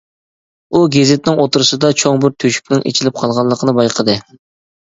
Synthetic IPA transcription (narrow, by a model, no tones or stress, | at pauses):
uɡʲezɪt̪nɪŋot̪uɾɨsɨd̪ɑt͡ʃʰoŋbɪɾt̪ʰøʃy̥kʲnɪŋʔḛt͡ʃʰilɪp̚qʰɑlˠʁɑlˠəqʰənɨbɑjqʰəd̪ɨ